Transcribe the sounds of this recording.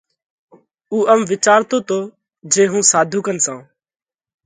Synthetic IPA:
uːʔəmʋɪt͡ʃaːɾt̪oːt̪oː | d͡ʒeːɦũːsaːd̪ʱuːkənsãː

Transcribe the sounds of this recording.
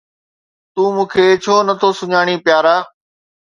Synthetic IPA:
t̪uːmũːkʰeːt͡ʃʰoːnət̪ʰoːsʊɲaːɽ̃iːpɪjaːɾaː

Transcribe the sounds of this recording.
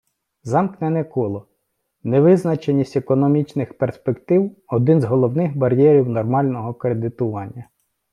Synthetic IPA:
zɑmknɛnɛkɔlˠɔ | neʋɪznɐt͡ʃenʲisʲtʲekɔnɔmʲit͡ʃnɪxperspekt̪ɪwɔd̪ɪnzɦɔlˠɔwnɪxbɐɾʲjɛɾʲiwnɔrmɑlʲnɔɦɔkɾed̪ɪt̪ʊʋɑnʲːɐ

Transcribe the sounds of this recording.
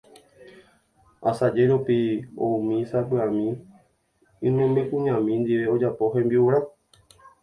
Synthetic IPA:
asad͡ʒeɾupio̰ũmĩsapɨamĩ | ɨ̃mẽmbekũɲãmĩnd̪iʋe̞o̞d͡ʒapo̞ɦẽmbiuɾa

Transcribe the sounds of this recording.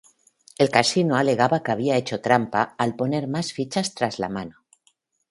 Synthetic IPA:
e̞lkasinoale̞ɣ̞aβakaβ̞iae̞t͡ʃo̞t̪ɾampaːlpo̞ne̞ɾmasfit͡ʃast̪ɾazla̰mano

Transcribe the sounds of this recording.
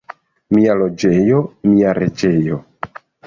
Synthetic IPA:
mialo̞d͡ʒe̞jo̞miaɾḛt͡ʃe̞jo

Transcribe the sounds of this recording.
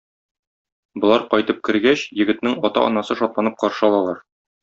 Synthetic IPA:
bŏlˠɑɾqɒjt̪ɤp̚kɘ̆ɾɡæɕjɘ̆ɡɘ̆t̪nɘŋɒt̪ɑ̰ʔɒ̰nɑsɤʃɒt̪lˠɑnɤp̚qɒɾʃɤɒlˠɑlˠɑɾ

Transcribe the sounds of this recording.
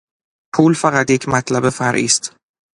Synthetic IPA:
pʰuːlfæɣat̪jecʰmæt̪ʰlæbefæɾʔḭːst̪

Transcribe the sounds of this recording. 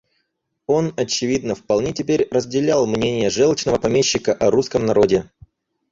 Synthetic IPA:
o̞nɐt͡ɕɪvʲid̪nəfpɐlˠnʲetʲɪpʲeɾʲrəzʲdʲɪlʲalˠmnʲenʲɪjəʐɛlˠət͡ɕnəvəpɐmʲeɕːɪkəʔɐɾuskəmnɐɾo̞dʲɪ

